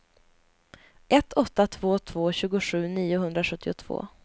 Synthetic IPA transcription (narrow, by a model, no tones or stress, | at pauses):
ʔɛt̪ʰːɔt̪ːat̪ʰv̥oːt̪ʰv̥oːɕʉ̟ːɡʊɧʉ̟ːniːʊɦɵnd̪ɾaɧɵt̪ːɪʊt̪ʰv̥o̰ː